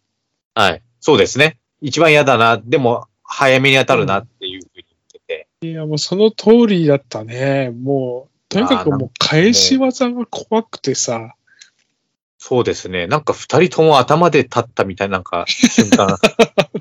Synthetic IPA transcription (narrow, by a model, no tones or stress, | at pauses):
hai | so̞ːd̪e̞sɨne̞ | it͡ɕibãɰ̃jad̪anad̪e̞mo̞ | hajameɲ̟iat̪aɾɯ̟nat̪ːe̞jɯ̟ɸɯ̟ːɲ̟ijot̪ːe̞t̪e̞ | iamoːso̞no̞t̪ʰoːɾʲid̪at̪ːanemoː | t̪o̞ɲʲikakɯmoːkʰaeɕiβazãŋɡakʰoβakɯ̟̥t̪e̞sa | so̞ːd̪e̞sɨne̞nãŋkaɸɯ̟̥t̪aɾʲit̪ʰo̞moat̪amad̪e̞t̪ʰat̪ːamʲit̪ainãŋka̰ɕɨ̃ŋkã